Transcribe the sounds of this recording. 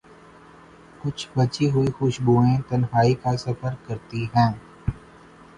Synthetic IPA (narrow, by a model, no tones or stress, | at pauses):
kʊt͡ʃʰbɐt͡ʃiɦʊixʊʃbuːẽt̪ɐnɦaːikasɐpəɾkkəɾt̪iɦɛ̃ː